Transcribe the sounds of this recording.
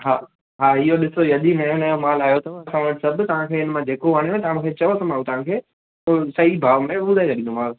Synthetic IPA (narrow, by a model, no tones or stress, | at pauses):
ɦaː | ɦaːɪɦoɗɪsojɐʄinɐjonɐjomaːlaːjot̪ɐãɐsãʋɐʈɪsɐb̆ʱt̪ɐʋ̤ãkʰeːɪnmãd͡ʑeːkoʋaːɽ̃ẽt̪ɐãmũkʰeːt͡ɕɐʋot̪ɐmãːũt̪ɐʋ̤ãkʰeː | oːsɐɦibʱaːʋmẽɓʊd̪ʱaesʰɐɗĩnd̪õmãː